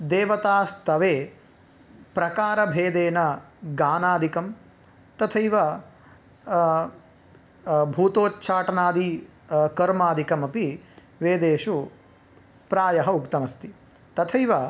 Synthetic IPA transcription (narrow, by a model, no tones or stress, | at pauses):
d̪eːʋɐt̪aːst̪ɐʋeː | pɾɐkaːɾɐbʱeːd̪eːnɐɡaːnaːd̪ikɐm | t̪ɐt̪ʰɐjʋɐ | bʱuːt̪oːtːʃʰaːʈɐnaːd̪ikɐɾmaːd̪ʱikɐmɐpi | ʋeːd̪eːʃu | pɾaːjɐɦɐukt̪ɐmɐst̪i | t̪ɐt̪ʰɐjʋɐ